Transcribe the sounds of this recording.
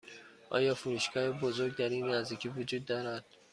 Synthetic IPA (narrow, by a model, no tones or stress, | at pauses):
ʔɒ̰ːjɒːfuɾuːʃɡʰɒːhebozoɾɡd̪æɾiːnːæzd̪iːcʰiːvod͡ʒuːd̪ːɒːɾæd̪̥